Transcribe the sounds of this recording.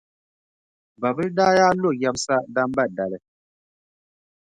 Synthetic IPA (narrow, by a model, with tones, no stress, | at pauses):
ba˨bɨ˦da˦ja˦lo˦˨ja˦p̚sa˦da˦m˦ba˦˨da˨lɛ˨